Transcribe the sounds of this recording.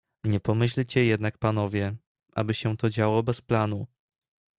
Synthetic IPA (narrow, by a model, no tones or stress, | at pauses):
ɲɛpɔmɘɕlt͡ɕɛjɛd̪nak̚pan̪ɔvʲjɛ | ʔa̰bɘɕɛ̃t̪ɔd͡ʑawɔbɛsplanu